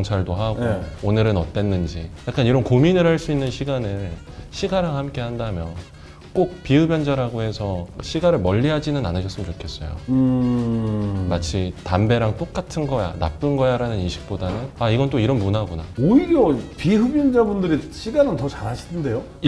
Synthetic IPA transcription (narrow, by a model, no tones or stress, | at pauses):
ʌŋt͡ɕʰaɭdoɦaɡoonɯɾɯnʌt͈e̞nːɯnd͡ʑijak͈aniɾʌnkominɯɭhaɭs͈uinːɯnɕʰiɡanɯɭ | ɕʰiɡaɾaŋhamk͈e̞ɦandamjʌn | k͈ok̚piɦɯbjʌnd͡ʑaɾaɡoɦe̞sʰʌɕʰiɡaɾɯɭmʌʎːiɦad͡ʑinɯna̰nɯɕʰʌs͈ɯmənt͡ɕokʰe̞s͈ʌ̰jo̰ɯ | mat͡ɕʰitambe̞ɾaŋt͈ok͈atʰɯnɡʌja̰na̰p͈ɯnɡʌjaɾanɯniɕʰi̥k̚p͈odanɯnaiɡʌnt͈oiɾʌnmunaɡonaoiɾjʌpiɦɯbjʌnd͡ʑabundɯɾiɕʰiɡanɯntʌt͡ɕaɾaɕʰi̥dɯnde̞jo